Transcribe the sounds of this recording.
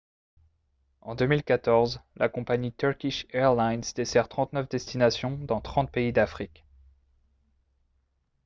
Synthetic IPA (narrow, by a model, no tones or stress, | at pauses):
ɑ̃d̪ømilkat̪ɔʁzlʔa̰kɔ̃paɲit̪œʁkʲiʃɛʁlajnzd̪esɛʁt̪χɑ̃t̪nœfd̪ɛst̪inasjɔ̃d̪ɑ̃t̪χɑ̃t̪̚peid̪afχikʲ